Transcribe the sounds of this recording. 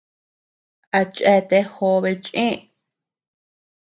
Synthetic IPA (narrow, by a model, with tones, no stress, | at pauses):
a˧t͡ʃʼʔe˧t̪e˧ho˧βe˧t͡ʃʼʔĩ˦